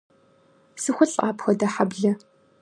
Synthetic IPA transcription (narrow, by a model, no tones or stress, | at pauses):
sɨxʷʊɬʼaːpxɐdɐħabɮɐ